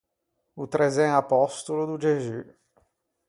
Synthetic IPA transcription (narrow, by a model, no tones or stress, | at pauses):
ut̪ɾezɛ̃ŋapɔst̪ulud̪ud͡ʒeʒy